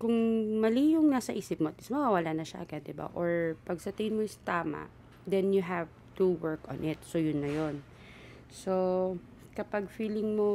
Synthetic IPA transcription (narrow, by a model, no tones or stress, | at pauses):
kʊŋmɐliːjʊŋnaːsɐʔiːsɪpmot̪ɪsmɐwawɐlaːnɐʃa̰ʔɡɐd̪ɪba̰ʔoɹpɐɡ̚sɐt̪ɛɪnmojst̪aːma̰ʔ | d̪ɛnjʊɦav | t̪uwɛɹkɔ̰nʔɪt̪̚sojʊnːɐjon | so | kɐpaɡ̚fiːlɪŋmo